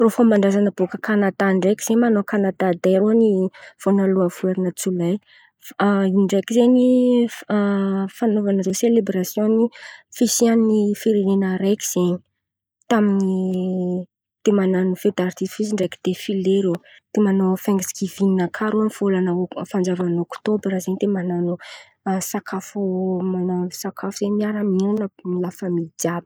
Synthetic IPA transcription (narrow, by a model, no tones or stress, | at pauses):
rofombaɳɖ͡ʐazanəbokəkanat̪aɳɖ͡ʐejki̥z̥eɲmanokanad̪ad̪eɾoniv̥onaluanfueɾinət͡sulaj | iɳɖ͡ʐejkizeɲi | fanovanəzeselebɾasjõnifisiannifiɾenenəɾejki̥z̥eɲi̥ | t̪amini | t̪emananufed̪art̪ifisiɳɖ͡ʐeki̥d̪̥efileɾo | d̪̥emanofaŋɡisi̥kivininakʰaɾuanfolanəofand͡zavanokt̪obɾazeɲt̪emananu | sakʰafumanosakʰafuz̥eɲmiaɾamiɾanəmilafəmid͡ʒabə